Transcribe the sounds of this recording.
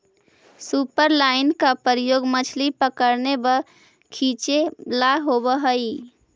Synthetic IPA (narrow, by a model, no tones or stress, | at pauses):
supəɾlaɪnkapəɾəjoɡmət͡ʃʰlipəkəɾnebə | kʰit͡ʃelaɦobəɦəi